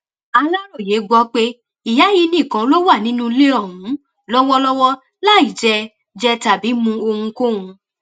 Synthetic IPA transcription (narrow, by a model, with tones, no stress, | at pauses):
a˧la˦ɾo˦˨je˨˦ɡ͡bɔ˦k͡pe˦ | i˨ja˨˦ji˧nĩ˦˨kã˧˦lo˦wa˦˨nĩ˦nũ˦˧le˦ɔ˦˨ɦũ˨˦ | lɔ˦wɔ˦lɔ˦wɔ˦ | la˦i˨d͡ʒɛ˧ | d͡ʒɛ˧ta˨bi˨˦mũ˧o˧hũ˧ko˦ũ˧